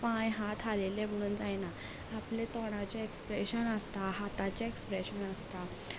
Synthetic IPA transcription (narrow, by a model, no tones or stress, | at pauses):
pãjɦat̪ʰalelem̤əɽ̃uːnd͡zajnaː | plet̪ɔɽ̃ãt͡ɕaekspɾeɕənəst̪aɦat̪at͡ɕaekspɾeɕənəst̪a